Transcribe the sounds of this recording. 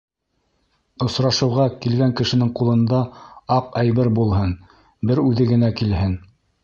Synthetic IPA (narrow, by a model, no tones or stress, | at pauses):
ŏsɾɑʃɤ̆wʁɑkilɡæŋkɘ̆ʃɘ̆nɘŋqulˠɤ̆nd̪ɑɑqæjβɘɾbulˠɦɤn | bɘɾʉðɘɡɘ̆nækilɦɘn